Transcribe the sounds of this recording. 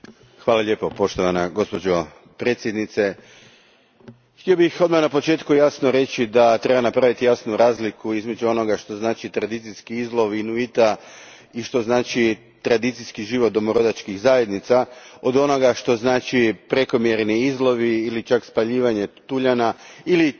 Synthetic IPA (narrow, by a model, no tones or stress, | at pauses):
xʋaːlaʎe̞ːpo̞po̞ʃt̪oʋanaɡo̞spo̞d͡ʒo̞ | pɾeːt̪sjed̪nit̪se̞ | xt̪io̞bixo̞d̪manapo̞t͡ʃe̞ːt̪kujasnoɾe̞t͡ʃid̪at̪ɾe̞banapɾaʋit̪ijasnuɾaːzlikuizme̞d͡ʒuo̞no̞ɡaʃt̪o̞znaːt͡ʃit̪ɾad̪it̪sijskiizlˠo̞ʋinuit̪a | iʃt̪o̞znaːt͡ʃi | t̪ɾad̪it̪sijskiʒiʋot̪d̪omoɾo̞d̪at͡ʃkiɣzaje̞d̪nit̪sao̞d̪o̞no̞ɡaʃt̪o̞znaːt͡ʃipɾe̞ko̞mje̞ɾniizlˠo̞ʋiːlit͡ʃakspaʎiːʋaɲe̞t̪uʎanaili